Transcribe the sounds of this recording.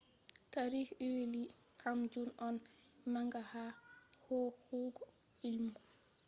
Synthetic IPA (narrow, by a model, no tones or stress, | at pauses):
kaɾihiwili | kʰamd͡ʒunɔn | maŋɡahahɔhuːɡɔ | ilmɔ